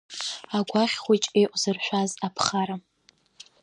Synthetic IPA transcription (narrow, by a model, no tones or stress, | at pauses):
aɡʷaχʲχʷojt͡ʃʼejʔʷʼz̥ɨrʃʷᶣazapʰχaɾa